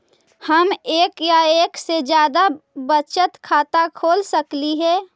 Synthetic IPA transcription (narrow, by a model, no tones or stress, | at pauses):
həmeːkjaeːksed͡ʒjaːd̪abət͡ʃət̪kʰaːt̪akʰoːlsəkliɦɛː